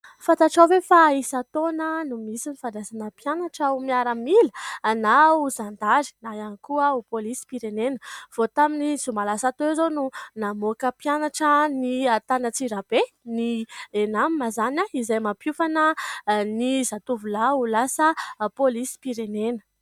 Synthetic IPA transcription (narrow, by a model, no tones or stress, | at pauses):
fãnt̪aʈ͡ʂawvefaisat̪onənumisinifad̪asanəpjanaʈ͡ʂaumiaɾəmilənauzand̪aɾi̥najankuəupolisi̥piɾenenəv̥ot̪aminizumalasat̪ozonunamokəpjanaʈ͡ʂəniat̪anət͡siɾab̥e | nienammazanaizajmapjufanənizat̪uvulaulasəpolisi̥piɾenenə̥